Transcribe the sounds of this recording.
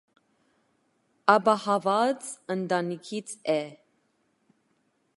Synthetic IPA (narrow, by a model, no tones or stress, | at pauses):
ɑbɑhɑvɑt͡sənd̪ɑnikʰit͡sʰɛ